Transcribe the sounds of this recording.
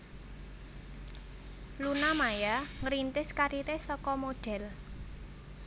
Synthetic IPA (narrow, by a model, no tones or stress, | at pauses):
lunamajaŋɾint̪ɪskaɾiɾesɔkɔmoɖ̥ɛ̤l